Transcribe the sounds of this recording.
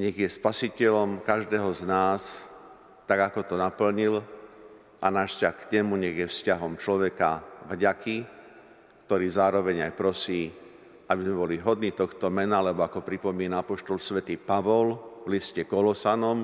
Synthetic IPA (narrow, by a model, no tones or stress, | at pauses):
ɲɛɣjɛspasicɛlɔmkaʒd̪ɛːɦɔznaːs | t̪aɡakɔt̪ɔnapl̩ɲil | ʔanaːʃscaxkɲɛmuɲɛɣjɛfscaɦɔmt͡ʃlɔʋɛkavɟaki | kt̪ɔɾiːzaːɾɔʋɛɲajpɾɔsiː | ʔabizmɛbɔliɦɔd̪niːt̪ɔxt̪ɔmɛnaalɛbɔakɔpɾipɔmiːnaapɔʃt̪ɔlsʋɛt̪iːpaʋɔlvliscɛkɔlɔsanɔm